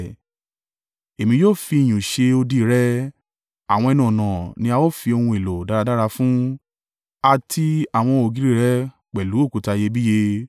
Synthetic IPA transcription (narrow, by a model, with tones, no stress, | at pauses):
e˨mĩ˧joː˦˨fi˧i˨j̃ũ˨ʃe˧o˧di˦˨ɾɛ˦ | a˨wɔ̃˧ɛ˧nũ˨nã˨nĩ˧a˧wo˦˨fi˧o˧hũ˧e˨lo˨da˨˦ɾa˧da˦ɾa˧fũ˦ | a˧tʰi˧a˨w̃ɔ̃˧o˨ɡi˦ɾi˦˨ɾɛ˦ | k͡pɛ˨lu˨˦o˦˨ku˨ta˧je˧bi˦je˧